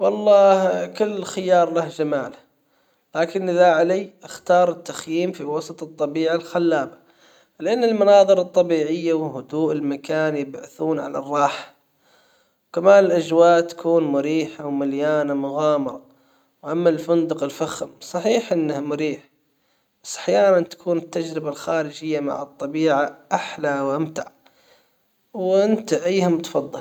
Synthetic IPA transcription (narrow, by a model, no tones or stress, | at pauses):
wɑlˤːɑːkʊlːxɪjɑːɾˤlahd͡ʒamaːla | laːkɪnʔɪðaʕalajʔɪxt̪ɑːɾˤɪt̪ːaxjiːmfiwɑsˤɑt̪ˤɨt̪ˤːɑbiːʕalxalːaːba | lɪʔanːɪlmanɑːðˤɨɾɨt̪ˤːɑbiːʕɪjːawɦʊd̪uːʔɪlmakaːnjɪbʕaθuːnʕa̰la̰rˤːɑːħḁ | wkamaːnɪlʔad͡ʒwaːʔt̪ḁkuːnmʊɾiːħawmaljaːnamʊɣɑːmɑɾˤɑ | wʔamːalfʊnd̪ʊqɪlfaxɪmsˤɑħiːħʔɪnːahmʊɾiːħ | b̥asːʔḁħjaːnant̪ḁkʰuːnɪt̪ːad͡ʒɾɪbalxaːɾɪd͡ʒɪjːama̰ʕɨt̪ˤːɑbiːʕaʔaħlawʔamt̪aʕ | wʔɪnt̪aʔajːhamt̪ɑ̥fɑðˤːɨl